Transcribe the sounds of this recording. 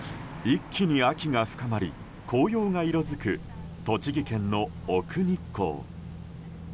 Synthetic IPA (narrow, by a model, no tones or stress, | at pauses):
ikʲːiɲ̟iakʲiŋaɸɯ̥kamaɾʲi | kʰo̞ːjo̞ːŋaiɾo̞zɨkɯ̟ | t̪o̞t͡ɕiɡʲikẽ̞nno̞ː | kɯ̟ɲ̟ikʰːo̞̰ː